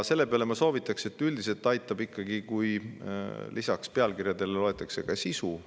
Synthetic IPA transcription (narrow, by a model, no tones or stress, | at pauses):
se̞lːe̞peɑle̞mɑso̞ːvit̪ːˑɑkse̞t̪ːˑyld̪is̬e̞lt̪ːɑjt̪ːˑɑbikːɑɡikuj | lisɑkspeɑlkirjɑd̪e̞lelo̞e̞t̪ːˑɑkse̞kɑsisu